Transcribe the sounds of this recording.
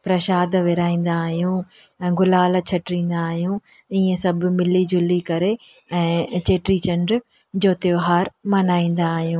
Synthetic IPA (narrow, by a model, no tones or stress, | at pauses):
pɾɐʃaːd̪ʋɪɾaːĩːn̆d̪aːɦijũɛ̃ːɡʊlaːlt͡ɕʰɐʈɾĩːnd̪aːɦijũiːẽsɐb̆ʱmɪlid͡ʑʱʊlikɐɾe | ɛ̃ːt͡ɕeːʈɾit͡ɕɐ̃ɳɖɾ | d͡ʑoːt̪joːɦaːɾmɐnaːĩːn̆d̪aːɦijũː